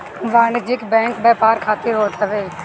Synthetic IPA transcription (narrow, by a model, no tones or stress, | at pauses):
ʋaːɳd͡ʒɪkbɛ̃ːŋkbɛːpaːɾkʰaːt̪ɪɾɦoːt̪əʋeː